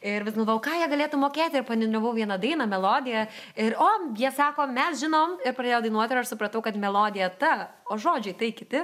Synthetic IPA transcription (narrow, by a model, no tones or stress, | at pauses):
ɪɾʋʲɪsɡɐlˠʋɐʋɐʊkɑːjiɛɡɐlʲeːt̪ʊmoːkʲeːt̪ʲɪɪɾpɐnʲɪd̪ʲɾʲɐʋɐʊʋʲiɛnɐd̪ɐɪnɐmʲɛlˠoːd̪ʲɪjɛ | ɪɾoːjiɛsɑːkoːmʲɛsʒʲɪnoːmɪɾpɾɐd̪ʲeːjoːd̪ɐɪnuɔt̪ʲɪɾɐʃsʊpɾɐt̪ɐʊkɐt̪mʲɛlˠoːd̪ʲɪjɛt̪ɐ | oːʒoːd͡ʒʲɛɪt̪ɐɪkʲɪt̪ʲɪ